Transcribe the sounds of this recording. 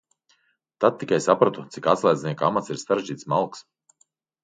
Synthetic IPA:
t̪ad̪̚t̪ːikajsapɾat̪ut̪sikat̪slˠajd̪znʲiɛkamat̪siɾsaɾeʒd͡ʒiːt̪smalˠks

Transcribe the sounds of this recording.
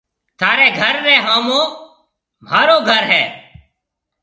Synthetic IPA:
t̪ʰaːɾeːɡʱəɾːɛːɦaːmõː | m̤aːɾoːɡʱəɾɦɛː

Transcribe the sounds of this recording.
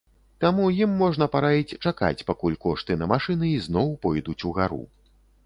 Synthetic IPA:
t̪amujimːɔʐnɐpaɾavʲit͡sʲt͡ʂaka̰t͡sʲpakulʲkɔʂt̪ɨnɐmaʂɨnɨiznɔwpɔjd̪ut͡sʲuɣaɾṵ

